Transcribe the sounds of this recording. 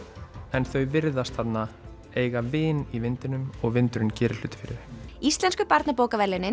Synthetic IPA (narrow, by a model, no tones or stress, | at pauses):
ɛnθœɥvɪɾðast̪θat̪na | eːjɣavɪːnivɪnt̪ɪnʏmɔɣvɪnt̪ʏɾʏncɛːɾɪl̥ʏːt̪ɪ̥fɪɾɪðɪ̥ist̪lɛnskʏpaɾt̪napoːwkavɛɾlɪnɪ